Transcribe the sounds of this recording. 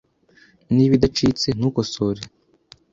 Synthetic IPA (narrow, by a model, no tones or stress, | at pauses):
niːβidat͡ʃit͡se̞nuːkosoɾe